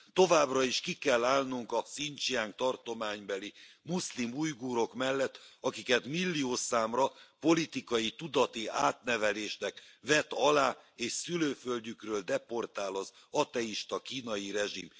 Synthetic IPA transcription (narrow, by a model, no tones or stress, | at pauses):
t̪o̞vaːbrɒiʃkikɛlːaːlnuŋkɒsint͡ʃiaːŋk̚t̪ɒrt̪o̞maːɲbɛlimuslimujɡuːɾo̞kmɛlːɛt̪ːɒkikɛt̪milːioːsaːmrɒpo̞lit̪ikɒjit̪ud̪ɒt̪iaːt̪nɛvɛleːʃnɛkvɛt̪ɒlaːeːʃsyløːfølɟykrøːld̪ɛpo̞rt̪aːlɒz | ɒt̪ɛiʃt̪ɒkiːnɒjiɾɛʒim